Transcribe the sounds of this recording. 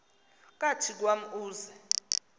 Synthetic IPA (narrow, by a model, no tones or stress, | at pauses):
k̬ʼatʰik̬wam̩uːzɛ